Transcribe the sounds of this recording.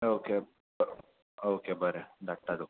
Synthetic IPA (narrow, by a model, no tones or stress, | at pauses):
oːke | b | okebəɾeɖ̪aʈːad̪u